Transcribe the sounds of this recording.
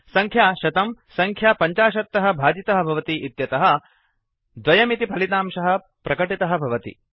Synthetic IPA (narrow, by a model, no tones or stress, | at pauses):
sɐŋkʰjaːʃɐt̪ɐmsɐŋkʰjaːpɐɲt͡ʃaːʃɐt̪ːɐɦɐ̆bʱaːd͡ʒit̪ɐɦɐ̆bʱɐʋɐt̪iʔːt̪jɐt̪ɐɦɐ | d̪ʋɐjɐmit̪ipʰɐlit̪aːmʃɐɦɐ̆ | pɾɐkɐʈit̪ɐɦɐ̆bʱɐʋɐt̪ḭ